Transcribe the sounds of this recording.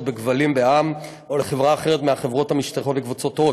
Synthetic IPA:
tbeɡvalimbeam | o̞leχevʁaːχeʁ̞etmeaχe̞vʁo̞thamiʃt̪aχo̞tbekvut͡sotːo

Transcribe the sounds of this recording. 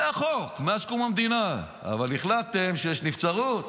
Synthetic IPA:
aχokmeaskumamd̪ina | a̰valiχlat̪ːemʃejeʃnift͡saʁut̪

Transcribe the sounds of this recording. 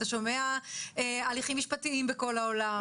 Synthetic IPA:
aʃo̞meaealiχimːiʃpatiimbeko̞laola

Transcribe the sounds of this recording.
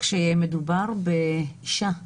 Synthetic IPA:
kʃejemed̪ubaʁbeiʃa

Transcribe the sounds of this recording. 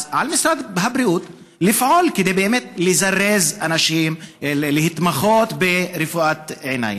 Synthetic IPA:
ʕalmisɾad̪bɦabɾiʔut̪ | lifʕolked̪ejbeʔemet̪̚lezarːezanaʃimlehit̪maχot̪beɾefuʔat̪ʕena̰j

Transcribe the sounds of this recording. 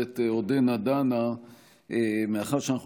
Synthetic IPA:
et̪eod̪enad̪ana | emeaχaʁʃeanaχu

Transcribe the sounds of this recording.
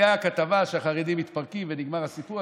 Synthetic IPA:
aakat̪avaʃeaχaʁed̪imit̪paʁkimveniɡmaʁhasipu

